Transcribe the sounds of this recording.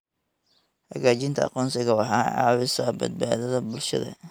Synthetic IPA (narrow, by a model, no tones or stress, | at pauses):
hɐɣaːt͡ʃɪnt̪ʰɐɑ̰qɔːnsɪɣɐɐɦaːʕɑ̰ːwɪsɐbɐ̰d̪̚baːðɐðɐbʊlʃɐ̰ðɐ̰